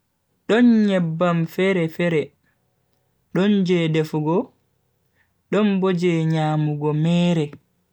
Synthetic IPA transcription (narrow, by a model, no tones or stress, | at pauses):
ɗɔnɲɛbːamfɛɾɛfɛɾɛ | ɗɔnd͡ʒɛdɛfuɡɔ | ɗɔnbod͡ʒɛɲaːmuɡɔmɛːɾɛ